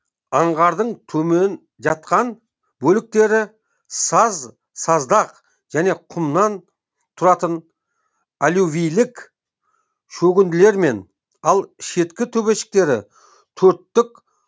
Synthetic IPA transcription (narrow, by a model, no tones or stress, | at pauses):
ɑɴʁɑɾd̪əɴt̪ʰɵme̞n | ʒɑt̪̚qɑn | bɵlɪk̚t̪e̞ɾɪ | sɑz | sɑzd̪ɑq | ʒ̥æne̞qʰʊmnɑn | t̪ʰʊɾɑt̪ən | aluvijlɪk | ʃɵɡʲɪnd̪ɪle̞ɾme̞n | ɑlˠʃe̞t̪kʲɪt̪ʰɵbe̞ʃɪ̥k̚t̪e̞ɾɪ̰ | t̪ʰɵɾt̪ːɪk